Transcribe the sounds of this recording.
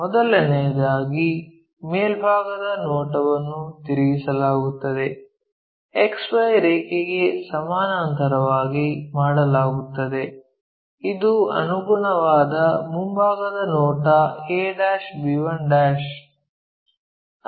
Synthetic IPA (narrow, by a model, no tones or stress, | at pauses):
mɔd̪ɐlɐnɛjɐd̪aːɡi | meːlbʱaːɡɐd̪ɐnɔːʈɐʋɐnːut̪iɾiɡisɐlaːɡut̪ːɐd̪e̞ | eksʋɐjɾɛːkeɡe̞sɐmaːnaːnt̪ɐɾɐʋaːɡimaːɽɐlaːɡut̪ːɐd̪e̞ | id̪uɐ̰nuɡuɳɐʋaːd̪ɐmumbʱaːɡɐd̪ɐnɔːʈɐeːɖaːʃbiʋɐɳɖaːʃ